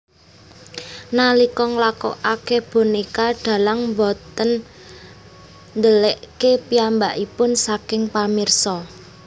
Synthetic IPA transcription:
nalikɔŋlakɔ̰akeb̥o̤nikaɖ̪̥a̤laŋmbɔt̪ən | nd̪əleʔkepiambaʔipʊnsakɪŋpamirsɔ

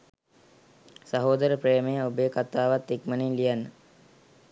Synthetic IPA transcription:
saɦoːd̪əɾəprejməjəobəjkat̪aːʋat̪ːikməninlijanːə

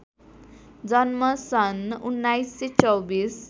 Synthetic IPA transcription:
d͡zʌnmʌsʌnunːajsːet͡sʌwbis

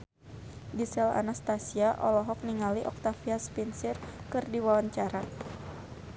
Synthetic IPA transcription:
disɛla̰nast̪asiaʔɔlɔɦɔk̚niŋaliʔɔ̰k̚t̪afiaspinsirkɨrdiwawaɲt͡ʃaɾa

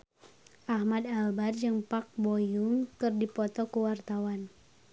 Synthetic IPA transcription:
ʔahmadalbard͡ʒɨŋpak̚bojuŋkɨrdipɔt̪ɔkuwart̪awan

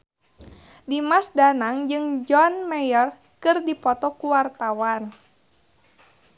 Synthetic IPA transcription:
dimasdanaŋd͡ʒɨŋd͡ʒɔnmɛjɔr | kɨrdipɔt̪ɔkuwart̪awan

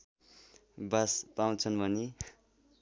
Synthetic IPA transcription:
baspaw̃t͡sʰʌnbʱʌne

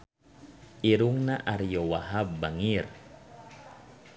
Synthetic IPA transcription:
iɾuŋnaʔaɾijowaɦabaŋir

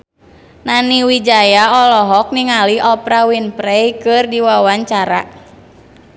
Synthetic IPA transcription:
naniwid͡ʒajaɔlɔɦɔk̚niŋaliɔpɾawinpɾɛjkɨrdiwawaɲt͡ʃaɾa̰

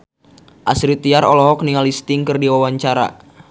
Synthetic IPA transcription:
ʔasɾit̪iaɾɔlɔɦɔk̚niŋalist̪ɪŋkɨrdiwawaɲt͡ʃaɾa̰

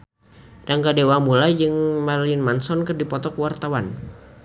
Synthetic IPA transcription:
daŋɡadewamulad͡ʒɨŋmalɪnmansɔnkɨrdipɔt̪ɔkəwart̪awan

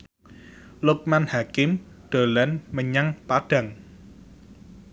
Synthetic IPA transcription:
lʊk̚manhakɪm | ɖ̥əlɛnməɲaŋpad̥aŋ

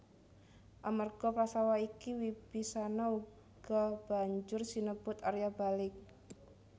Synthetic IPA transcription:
ʔamarɡ̥ɔpasawaikiwib̥isanau | ɡ̥ɔb̥a̤ɲd͡ʒʊrsinəb̥ʊt̪aɾjabalɪk̚

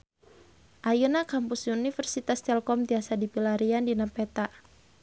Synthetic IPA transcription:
ʔajunakampusunifɛrsit̪ast̪ɛlkɔmt̪iasadipilaɾiandinapɛt̪a

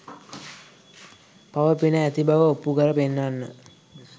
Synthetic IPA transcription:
paʋəpinəæt̪ibaʋəopːukəɾəpenːanːə

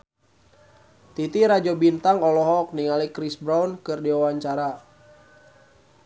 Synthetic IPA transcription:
t̪it̪iɾad͡ʒobint̪aŋɔlɔɦɔk̚niŋalikɾisbɾawnkɨrdiwawaɲt͡ʃaɾa

